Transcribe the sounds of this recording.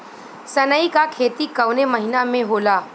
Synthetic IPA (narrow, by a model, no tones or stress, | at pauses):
sənəikakʰeːt̪ikəwneməɦinamẽɦoːla